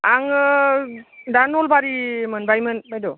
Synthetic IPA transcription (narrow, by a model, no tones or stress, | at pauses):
aŋ | danɔlbaɾimɯnbajmɯnbajdɔ